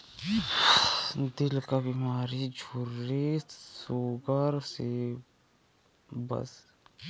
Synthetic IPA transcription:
d̪ɪlkabimaːɾid͡ʒʱuɾːisoːɡəɾse | bɐ̰s

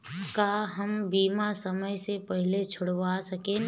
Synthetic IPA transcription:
kaɦɐmbiːmasɐməjsepɛɦɪlet͡ʃʰʊɽʋasɐkeː

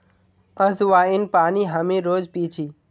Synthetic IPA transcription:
əzʋaːinpaːniːɦəmẽɾoːd͡ʒpiːt͡ʃʰiː

